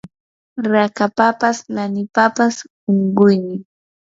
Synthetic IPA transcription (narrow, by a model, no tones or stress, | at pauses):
ɾakapapaslanɪpapas | oɴɢʊjmɪ